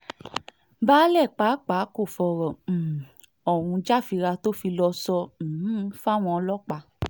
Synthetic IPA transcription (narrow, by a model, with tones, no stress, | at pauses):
baː˦lɛ˦˨k͡pa˨˦k͡pa˨˦ko˦˨fɔ˨ɾɔ˨ | ɔ˨wũ˧d͡ʒa˦˨fi˧ɾa˧to˦fi˧lɔ˧sɔ̃˧˨˦fa˦˨w̃ɔ̃˧ɔ˧lɔ˦k͡pa˧